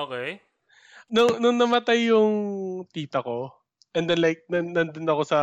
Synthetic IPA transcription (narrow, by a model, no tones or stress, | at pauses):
ʔoːkej | nʊŋnʊŋnɐmɐt̪ajːʊŋt̪iːt̪ɐko̞ | ʔɛnd̪ɛnlajk̚nɐnɐnd̪onɐkosɐ